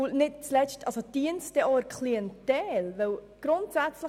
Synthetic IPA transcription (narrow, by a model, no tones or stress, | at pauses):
nɪt̚t͡slɛʃtʔɑlsod̥iənstɛʔɔəɾkʰliɛntɛːlvɛw | ɡ̥ɾʊntsæt͡slə